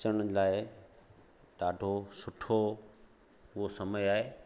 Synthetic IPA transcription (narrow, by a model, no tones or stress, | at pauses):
əɽ̃laːɪ | ɖaːɖʱosʊʈʰo | ʊɦosɐməjaːɦeː